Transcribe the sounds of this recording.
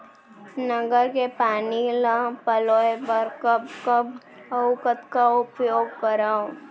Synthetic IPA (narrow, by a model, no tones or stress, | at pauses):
nəɡəɾkepaːnilãpəloːepəɾkəbkəb | əkət̪kaʊpjoːɡkəɾaõ